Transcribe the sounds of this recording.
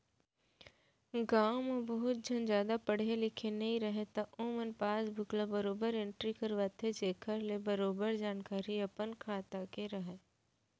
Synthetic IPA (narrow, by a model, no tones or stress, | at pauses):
ɡaːmebɐɦʊt̪̚d͡ʒʱɐnd͡ʒjaːd̪apɐɽ̤elɪkʰenɐɦĩɾɐɦet̪aʔõːmənpaːsbʱʊklabɐɾoːbəɾẽɳʈɾikəɾʋat̪ʰːed͡ʒeːkʰəɾlebɐɾoːbəɾd͡ʒaːnkaːɾiɐpənkʰaːt̪akeɾɐɦe